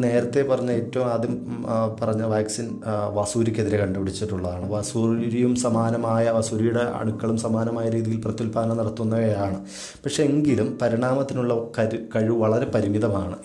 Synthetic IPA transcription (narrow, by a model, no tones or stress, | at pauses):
ne̞ːɾɐt̪ːe̞pɐrɐɲːɐeːtːɐʋumɐðumpɐrɐɲːɐʋaːksin | ʋɐsuːɾikʲːe̞ðiɾe̞kɐɳɖɐpiɽit͡ɕːiʈːuɭːɐðaːɳɨʋɐsuɾijumsɐmaːnɐmaːjɐʋɐsuɾijuɽe̞ɐ̰ɽukːɐɭumsɐmaːnɐmaːjɐɾiːðijilprɐt̪ːulpaːɐnɐnɐɽɐt̪ːunːɐʋeːɾaːɳɨ | pɐkʂe̞eŋɡilumpɐɾiɳaːmɐt̪ːinuɭːɐkɐɾkɐɻiʋɐɭɐɾe̞pɐɾimiðɐmaːɳɨ